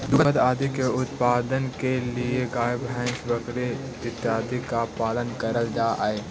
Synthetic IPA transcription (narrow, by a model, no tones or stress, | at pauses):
d̪ʊkʰət̪aːd̪ikeʊt̪paːd̪ənkelieɡaːjəbɦɛ̃ːʃbəkɾe | ɪt̪jaːd̪ikapaːlənkɐɾəld͡ʒaːʔa̰ːeː